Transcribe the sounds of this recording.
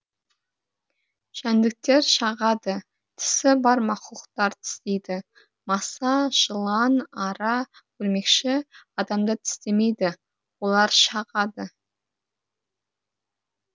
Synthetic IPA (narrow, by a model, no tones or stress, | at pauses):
ʒ̥ænd̪ɪk̚t̪e̞ɾʃɑʁɑd̪ə | t̪ʰɪ̥sɪbɑɾmɑquəqt̪ɑɾt̪ʰɪ̥st̪ejd̪ɪ | mɑsɑʒ̥əlˠɑnɑɾɑkʲʰɵɾme̞kʃɪɑd̪ɑmd̪ət̪ʰɪ̥st̪e̞me̞jd̪ɪ | wo̞lˠɑɾʃɑʁɑd̪ə